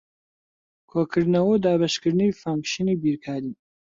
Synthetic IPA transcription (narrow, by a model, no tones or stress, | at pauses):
kʰoːkʰɨɾd̪nɐwod̪aːbɐʃkʰɨɾd̪nɨwifaːmʃinibiɾkʰaːɾin